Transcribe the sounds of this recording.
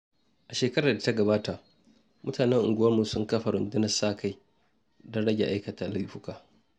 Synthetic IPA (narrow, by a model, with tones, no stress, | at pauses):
ʔa˨ʃeː˨kɐ˦ɾaː˨da˨ta˦ɡɐ˨baː˦ta˨ʔ | mʔʊ˦tʰaː˨nɛ˦ŋʔʊ̰˨ŋɡʷʊ˦wɐ˦rmu˨sʊ˦ŋkɐ˦ɸɐ˨ɽʊ˦ndɪ˦nɐ˦saː˦˨kʰa˦j | dɐ˦ɽɐ˦ɡʲe˨ʔa˦jkɐ˨taː˦la˦ɸʊ˦kaː˨